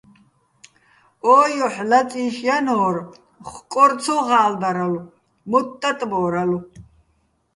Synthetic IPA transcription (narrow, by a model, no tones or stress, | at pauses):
ɔːjɔħlat͡sʼiːʃjanɔːr | χkʼɔɾt͡sʰɔʁaːld̪aɾalu | mɔt̪ʼːat̪ʼbɔːɾalu